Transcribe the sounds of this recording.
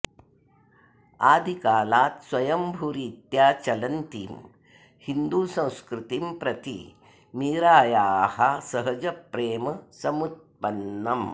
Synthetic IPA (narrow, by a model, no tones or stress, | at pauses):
aːd̪ʱikaːlaːt̪swɐjɐmbʱuɾiːt̪jaːt͡ʃɐlɐnt̪ḭːm | hind̪uːsɐ̃w̃skɾit̪impɾɐt̪ḭ | miːɾaːjaːhɐsɐɦɐd͡ʒɐpɾeːmɐsɐmut̪̚pɐnːɐm